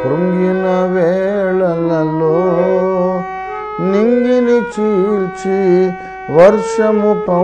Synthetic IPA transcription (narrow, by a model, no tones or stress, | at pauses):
ɾuŋɡinaʋeɭɐlɐlːo | niŋɡinit͡ʃit͡ʃi | ʋɐɾʂɐmupɐ